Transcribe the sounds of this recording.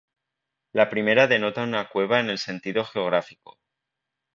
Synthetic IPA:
lapɾime̞ɾaðe̞no̞t̪aunakwe̞β̞ae̞ne̞lse̞nt̪iðo̞xe̞o̞ɣ̞ɾafiko̞̥̰

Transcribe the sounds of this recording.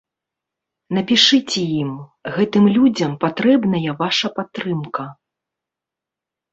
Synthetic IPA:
nɐpʲiʂɨt͡sʲɛjimɣɛt̪ɨmlʲud͡zʲɐmpat̪ɾɛbnɐjɐvaʂɐpat̪ːɾɨmkɐ

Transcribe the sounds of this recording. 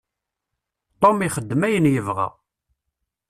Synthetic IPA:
t̪ˤomiχəd̪ːəmæjənjəvʁa̰

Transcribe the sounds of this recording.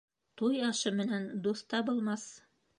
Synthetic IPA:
t̪ujɑʃɤmɘ̆nænd̪uθt̪ɑbulˠmɑs

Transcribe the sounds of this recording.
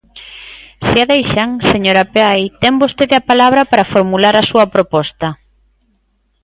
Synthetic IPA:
seaðejʃaŋseɲoɾɐpeajt̪ɛmbost̪eðeɐpalaβ̞ɾɐpaɾafoɾmulaɾɐsuɐpɾopɔst̪ɐ

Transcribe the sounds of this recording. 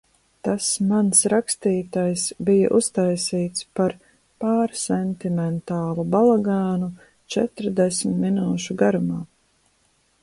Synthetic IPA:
t̪asmansɾakst̪iːt̪ajsbija̰ʔust̪ajsiːt̪spaɾ | paːɾsɛnt̪imɛnt̪aːlˠubalˠaɡaːnu | t͡ʃɛt̪ɾd̪ɛsmt̪minuːʃuɡaɾumaː

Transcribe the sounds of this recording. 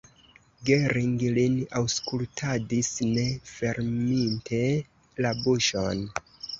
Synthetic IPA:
ɡeɾiŋɡlinawskultʰadisne̞fe̞ɾmintʰe̞ | labuʃon

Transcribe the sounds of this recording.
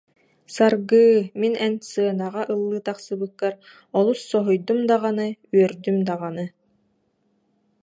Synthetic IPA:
saɾɡɯːminɛnsɯɐnaʁaʔɯlˠːɯːt̪aqsɯbɯkːaɾ | ɔlˠusːɔɦɔjd̪umd̪aʁanɯyœɾd̪ymd̪aʁanɯ

